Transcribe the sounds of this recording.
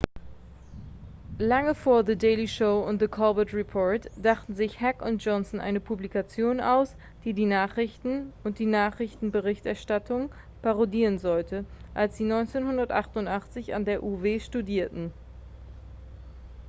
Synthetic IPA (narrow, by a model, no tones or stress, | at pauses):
laŋəfoːɐðədeɪliʃoʊʊntðəkʰɔlbətʁipʰɔɐtd̥aχtn̩zɪçhɛkʊnt̚dʒ̥ɔnsnʔa̰ɪnəpʰublikat͡sjoːnaʊs | d̥iːdiːnaːχʁ̥ɪçtn̩ʔʊnt̚d̥iːnaːχʁ̥ɪçtn̩bəʁɪçtʔɛɐʃtatʰʊŋ | paʁodiːʁənzɔltəʔalsz̥iːnɔʏnt͡seːnhʊndɐtʔaχtʊntʔaχt͡sɪça̰ndeːɐʔuveːʃtudiːɐtn̩